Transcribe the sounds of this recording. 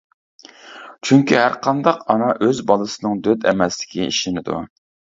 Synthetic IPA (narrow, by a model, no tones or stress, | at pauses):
t͡ʃʰyŋkʲiɦæɾqʰɑnd̪ɑqɑnɑʔøzbɑlˠɨsɨnɨŋd̪ød̪ɛmɛslɪ̥kʲʰiḭʃɪnɪd̪ṵ